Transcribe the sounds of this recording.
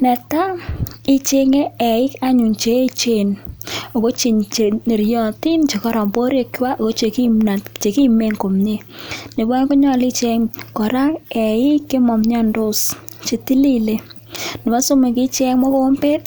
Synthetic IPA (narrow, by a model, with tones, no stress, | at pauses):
nɛ˨ta˦i˦t͡ʃe˦ŋe˦ɛ˨ɪ˦ka˦ɲu˨ŋt͡ʃe˨˦t͡ʃe˨no˨ko˦t͡ʃi˨ɲt͡ʃe˨ne˨ɾjɔ˨ti˦nt͡ʃe˨kɔ˦ɾɔ˨mpo˦ɾje˨kwa˦ʔo˨ko˦t͡ʃe˨ki˦a˨t͡ʃe˨ki˦me˨ŋko˨mɲe˦ | ne˨ba˦n˦kʊ˦ɲɔ˦˨li˦t͡ʃɛ˦ŋkɔ˨ɾa˦ŋɛ˨ɪ˦kːe˦mɔ˨mɲa˦ndo˦st͡ʃe˨ti˦li˦le˦ | nɪ˨ma˦so˦me˨ki˦t͡ʃɛ˦ŋmɔ˦ko˦mpe˦t